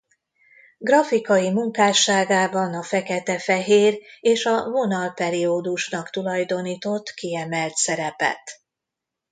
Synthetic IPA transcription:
ɡrɒfikɒjimuŋkaːʃaːɡaːbɒnɒfɛkɛt̪ɛfɛɦeːreːʃɒvo̞nɒlpɛɾioːd̪uʃnɒkt̪ulɒjd̪o̞niːt̪o̞t̪ːkiɛmɛlt̪sɛɾɛpɛ̰t̪

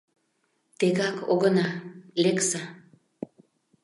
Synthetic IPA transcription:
t̪eɣɑko̰ɣənɑleksɑ

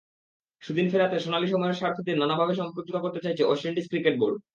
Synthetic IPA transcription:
ʃud̪infeɾat̪eʃonaliʃɔmɔeɾʃaɾt̪ʰid̪eɾnanabʱabeʃ̬ɔmpɾot͡ɕot̪akoɾt̪et͡ɕajt͡ɕʰeɔʃeɳʈiskɾikeʈ̚boɾɖ

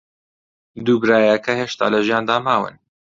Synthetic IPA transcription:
d̪uːbɾaːjɛkɐheːʃt̪a̰ːlɐʒjaːnd̪aːmaːwɨ̰n

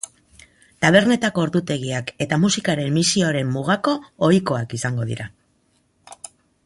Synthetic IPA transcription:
t̪aβ̞e̞ɾne̞t̪ako̞ːɾðut̪e̞ɣiake̞t̪amusikaɾe̞mːisioɾe̞mːuɣ̞ako̞ːjko̞akisaŋɡo̞ðḭɾa

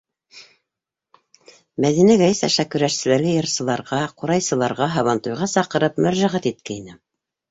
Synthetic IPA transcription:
mæðinæɡæjɘsæ̰ʃækɵ̆ɾæʃsɘ̆læɾɡæjɤ̆ɾsɤ̆lˠɑɾʁɑquɾɑjsɤ̆lˠɑɾʁɑɦɑβɑnt̪ujʁɑsɑqɤ̆ɾɤpmæɾʒæʁæt̪it̪̚kæinɘ

